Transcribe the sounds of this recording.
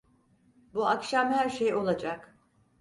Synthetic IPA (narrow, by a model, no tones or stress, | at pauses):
buakʃamhæɾʃejo̞lˠad͡ʒak